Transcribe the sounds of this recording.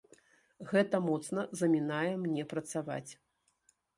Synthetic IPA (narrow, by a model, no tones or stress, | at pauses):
ɣɛt̪ɐmɔt̪sn̪ɐzɐmʲinajɛmnʲɛpɾɐt̪sava̰t͡sʲ